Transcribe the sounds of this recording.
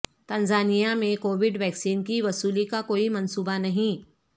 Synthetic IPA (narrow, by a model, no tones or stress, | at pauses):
t̪ɐ̃nzaːnijamẽkoːʋɪɖʋɛːksiːnkiʋɐsuːlikakoːimɐnsuːbanɐɦĩ